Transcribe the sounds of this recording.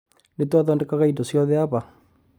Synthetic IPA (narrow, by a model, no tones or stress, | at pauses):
netwaðɔːndɛkaɣaitosjɔðɛaβa